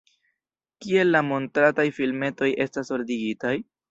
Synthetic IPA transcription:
kie̞lːamo̞ntɾatajfilme̞to̞jʔe̞staso̞ɾdiɡitaj

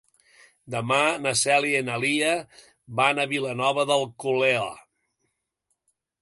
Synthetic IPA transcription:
d̪əmanəsɛlienəliə | βanəβilənɔβəðəlˠkuleɔ̰

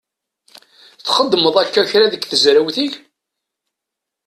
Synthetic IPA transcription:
θχəd̪ːməðˤækːæçɾæðəɡθəzɾəwθiʝ

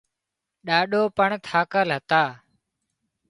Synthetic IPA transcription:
ɗaːɗoːpəɳt̪ʰaːkəlɦət̪aː

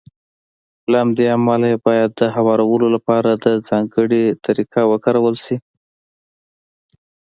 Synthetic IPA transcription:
lahamd̪eamɑlaebɑjad̪ːəɦawɑɾawəlolapɑɾad̪əd͡zɑŋɡəɽit̪aɾikawəkaɾawəlʃi

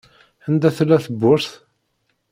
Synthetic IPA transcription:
ænd̪æθlːæθəbːʊɾθ

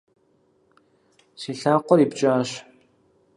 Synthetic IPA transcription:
siɬaːqʷɔɾiːpt͡ʃʼaːɕ

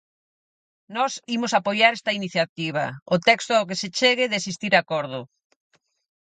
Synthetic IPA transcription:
nɔsimʊsapojaɾɛst̪ɐiniθjat̪iβ̞ɐ̰ʊt̪ɛkst̪ʊaok̬eset͡ʃeɣɪðesist̪iɾakɔɾð̞ʊ

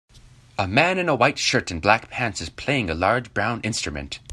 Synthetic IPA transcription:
əmæ̃nɨ̃nəwaɪtʃɜ˞ɾɨ̃n̩blækpʰæ̃nsɨz̥pʰl̥eɪɪ̃ŋəlɑɹd͡ʒbɹãʊ̃nʔɪ̃nstɹ̥ɨmɨ̰̃nt

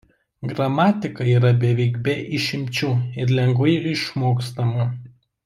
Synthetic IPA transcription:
ɡɾɐmɑːt̪ʲɪkɐiːɾɐbʲɛʋʲɛɪɡbʲɛʔɪʃʲɪmʲt͡ʃʲuːɪɾlʲɛŋɡʋɐɪɪʃmoːkst̪ɐmɐ

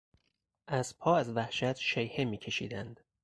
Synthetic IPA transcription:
ʔæzpʰɒːæzvæhʃæt̪ʰʃejhemiːcʰe̞ʃḭːd̪ænd̪̥

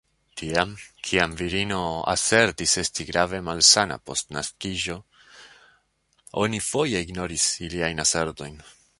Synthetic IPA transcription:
tʰiamkʰiamviɾino̞a̰se̞ɾtise̞stiɡɾave̞malsana̰po̞̰stna̰skiʒo̞ | o̞̰nifo̞je̞iɡno̞ɾisiliajnase̞ɾto̞jn

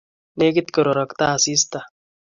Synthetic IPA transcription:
nekit̪kəɾoɾɐkt̪aːsiːst̪a

